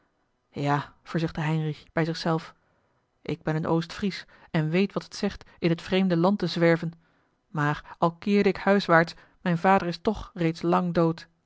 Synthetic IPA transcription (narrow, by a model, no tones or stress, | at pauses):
jaːv̥əɹzʏχtəɦɛjnrixb̥ɛjzɪχsɛlˠf | ʔɪɡ̚bɛnənʔowstfris | ɛnʋejtʋɑtətsɛχt | ɪnɦətfrejmdəlɑntəzʋɛɹvən | maːɹɑlˠkɪːɹdəɪkhœɥsʋaːɹts | mɛjnvaːdəɹɪstɔχrejtslɑŋdowt